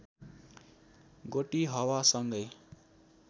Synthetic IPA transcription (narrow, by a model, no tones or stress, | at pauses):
ɡoʈiɦʌwasʌŋɡʌj